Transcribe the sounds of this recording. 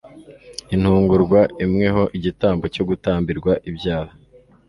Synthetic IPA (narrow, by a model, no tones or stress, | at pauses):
in̥huːŋɡuɾɡwaimŋe̞ɦo̞ʔiɟitaːmbo̞co̞ɡutaːmbiɾɡwaʔibjaːha